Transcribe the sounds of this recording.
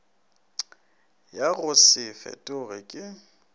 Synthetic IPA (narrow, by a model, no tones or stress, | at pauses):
jaɣʊsɪfɛ̰tʼʊɣɪkʼɪ